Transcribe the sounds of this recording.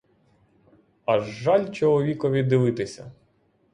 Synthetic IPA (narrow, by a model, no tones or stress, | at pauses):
ɐʒːɑlʲt͡ʃɔlˠɔʋʲikɔʋʲid̪ːɪʋɪt̪ɪsʲɐ